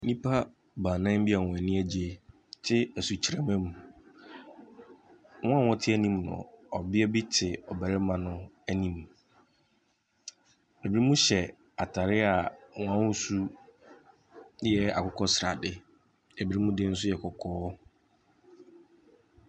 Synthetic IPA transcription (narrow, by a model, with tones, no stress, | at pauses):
nĩ˦pʰa˦ | bãː˨nã˦m̩˦bi˦a˨wɔ̃˨ɛ˨nĩ˦æ˨d͡ʑi˨e˨ | tʰɪ˦æ˨su˨t͡ɕʰi˨ɾɛ˨mɛ̃˦mũ˨ | wɔ̃˦a˨wɔ̃˦tʰɪ˦æ˦nĩ˦mnʊ̰̃˨ɔ˨bɪ˦ɛ˦bɪ˦tʰɪ˨ɔ˨bæ˨ɾɪ˦mã˨nʊ̃˦ | æ˦nĩ˦m˨ | e˨bi˨ɾi˦mũ˦ɕɛ˨ | a˨tʰa˨ɾɪ˦a˨wɔ̃˨ã˦wu˦su˦ | jɛ˦a̰˨kʊ˦kʰɔ˦sɾa˨dɪ˦ | e˨bi˨ɾi˦mũ˦dɪ˦n̩˦s̬ʊ˦jɛ˨kʰɔ˨kʰɔː˦